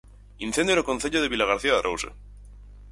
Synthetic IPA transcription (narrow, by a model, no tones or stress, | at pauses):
inθend̪jeɾokonθeʎoðeβilaɣ̞aɾθiaðerʔowsḛ